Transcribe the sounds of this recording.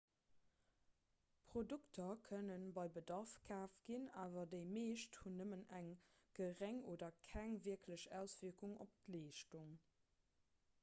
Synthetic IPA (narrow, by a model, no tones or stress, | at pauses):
pʁ̥oduktʰɐkʰənənbɑɪbədɑʁfkʰaːfɡ̥inaːvɐdəɪmeːʃthunəmənæŋɡ̥əʁæŋoːdɐkʰæŋviɐkʰləɕæʊsv̥iɐkuŋo̰p̚tleːʃtuŋ